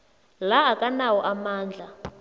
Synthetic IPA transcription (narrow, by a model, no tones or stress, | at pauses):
laːkʼanawɔʔamaːnd͡ɮʱa